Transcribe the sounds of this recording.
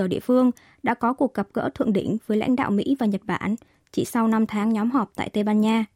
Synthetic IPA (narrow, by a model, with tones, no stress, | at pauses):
ə˧˩ɗḭ˧˨əfɨ˧əŋ | ɗa̰ː˧˥kɔ˨˦ku˨˩ək̚ːə˨˩p̚kə̰ː˧˥t̪ʰɨ̰˧˨əŋɗï˧˩ŋ̟vəː˨˦jla̰˧˥jŋ̟ɗa̰ː˧˨wmḭ˧˥vaː˨˩ɲə˨˩t̚ɓa̰ː˧˩n | t͡ɕi˧˩sa˧wna˧mt̪ʰaː˨˦ŋɲɔ˨˦mɦɔ˨˩p̚t̪a̰ː˧˨jt̪e˧ɓaː˧nɲaː˧